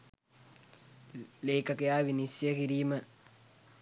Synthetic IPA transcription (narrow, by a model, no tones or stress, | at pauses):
leːkɐkɐjaːʋinisjɐkiɾiːmə